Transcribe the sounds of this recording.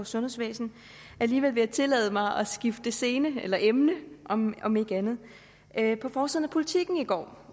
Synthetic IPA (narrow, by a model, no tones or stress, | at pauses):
ɒsɔ̽nhe̝sʋɛ̰ːsn̩ | æliːʋelʋe̝jɑ̈ɪt͡sʰe̝lɛ̰ːð̞ˠəmɑ̈ɪʔɒ̽sɡ̥ifd̥əse̝ːnəelɐʔemnəʔɒ̽mɒ̽me̝ɡ̥ænð̩ˠ | pʰɒ̽fɒːsið̰ˠn̩æpʰo̝lit͡sʰiɡ̥n̩iɡ̥ɒ̰ː